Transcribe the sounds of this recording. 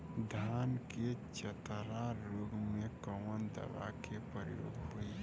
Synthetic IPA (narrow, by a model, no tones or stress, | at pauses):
d̪ʱaːnket͡ʃət̪əɾaɾoːɡmẽkəmənd̪ə̰ʋa̰kepɾəjo̰ːɡɦoi